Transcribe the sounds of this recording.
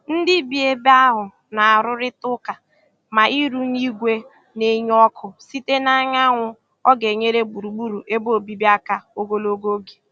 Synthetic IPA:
n̩˦dɪ˦bi˨e˦ba˦ɦʊ˨ | na˨a˨ɾʊ˦ɾɪ˦tʊ˦ka˨ | ma˨ʔi˦ɾu˦ni˦ɡʷe˦ | ne˦ɲ˦ɔ˦kʰʊ˨si˦te˦na˦ɲa˦ŋʷʊ˨ | ɔ˦ɡe˨ɲe˦ɾe˦ɡ͡bu˨ɾu˨ɡ͡bu˦ɾu˨ʔe˦bo˦˨bi˦bi˦a˦ka˦o˦ɡo˦lo˦ɡo˦ɡe̥˨

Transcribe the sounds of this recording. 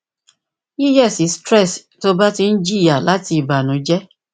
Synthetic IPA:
i˦jɛ˦˨si˨˦stɾɛ˦˨sto˦ba˦ti˧n̩˦d͡ʒi˦˨ja˨la˨˦ti˧i˨ba˨nũ˨˦d͡ʒɛ˦

